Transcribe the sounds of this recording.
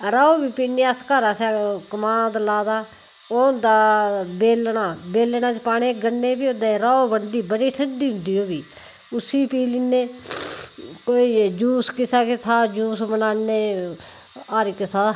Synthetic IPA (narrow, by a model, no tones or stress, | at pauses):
ɾaːoːbiːpiːneːaskaɾaːsaːkəmãːd̪laːd̪aː | oːd̪aːbeːlɳaːbeːlɳãːt͡ʃpaːɽeːɡənːeːbiːoːd̪eːɾaːoːbəɳd̪iːbəɽiːsʰəɖiːʊnd̪iːoːbiː | ʊsiːpiːliːneː | koːiːd͡ʒuːskɪsaːkɪt̪ʰaːd͡ʒuːsmənaːneː | aːɾikɪt̪ʰaː